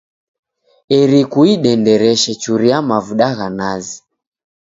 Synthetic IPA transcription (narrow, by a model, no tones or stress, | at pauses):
ɛɾikuiɗɛndɛɾɛʃɛt͡ʃuɾiamavuɗaɣanazi